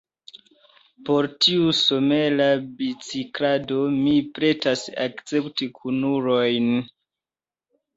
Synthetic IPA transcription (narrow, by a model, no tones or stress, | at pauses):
po̞ɾtiusome̞labit͡sikɾado̞mipɾe̞tasa̰kt͡se̞ptikʰunuɾojn